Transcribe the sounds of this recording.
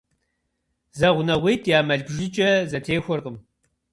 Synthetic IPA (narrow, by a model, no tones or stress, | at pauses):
zɐʁʷʊnɐʁʷiːtʰʼjaːmɐɮɡʷʒɪt͡ʃʼɐzɐtʰeːxʷɔrqəm